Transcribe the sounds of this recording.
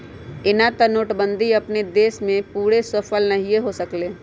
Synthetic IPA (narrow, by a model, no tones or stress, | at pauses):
ɪnat̪ɐnoːʈbə̃nd̪ʱiɐpned̪eːsmẽpuːɾesəfəlnɐɦieɦosəkleː